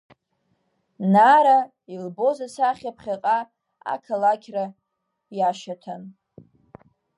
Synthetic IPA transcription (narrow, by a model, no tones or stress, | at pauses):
naɾa | ilbo̞zasaχʲapʰχʲaqʼa | a̰kʰalakʲʰra | jaʃatʰan